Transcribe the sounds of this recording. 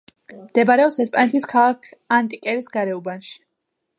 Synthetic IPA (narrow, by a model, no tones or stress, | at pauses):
md̪̥ɛbaɾɛɔpsɛspʼanɛt̪ʰiskʰalˠakʰant̪ʼikʼɛɾisɡaɾɛubanʃi̥